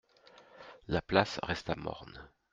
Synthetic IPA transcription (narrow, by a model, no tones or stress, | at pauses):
laplasʁɛst̪amɔ̰ʁn